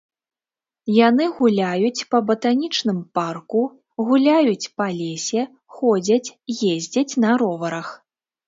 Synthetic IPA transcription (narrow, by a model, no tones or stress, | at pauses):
janɨɣulʲajut͡sʲpɐbɐt̪anʲit͡ʂnɨmparku | ɣulʲajut͡sʲpɐlʲesʲɛ | xɔd͡zʲɐt͡sʲjezʲd͡zʲɐt͡sʲnɐɾɔvɐɾɐx